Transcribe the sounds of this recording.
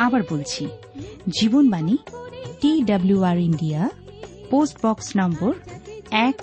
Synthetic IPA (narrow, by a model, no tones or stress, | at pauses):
abʌɹbolt͡ʃʰi | d͡ʒibonbaniʈidʌbljuaɹindijaposʈbɔksnambɔɹɛk